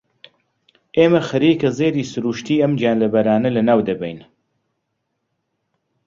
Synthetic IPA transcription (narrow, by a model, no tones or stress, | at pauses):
ʔeːmɐxɐɾiːkɐzeːd̪iːsɨɾuːʃt̪iːɐmd͡ʒjaːnlɐbɐɾaːnɐlɐnaːwd̪ɐbɛ̰jn